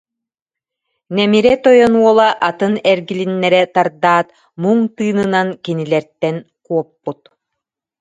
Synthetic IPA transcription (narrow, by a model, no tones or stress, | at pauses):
nɛmiɾɛt̪ɔjɔnuɔlˠaʔat̪ɯnɛɾɡilinːɛɾɛt̪aɾd̪aːt̪ | muŋt̪ɯːnɯnankinilɛɾt̪ɛn | kuɔpːut̪̚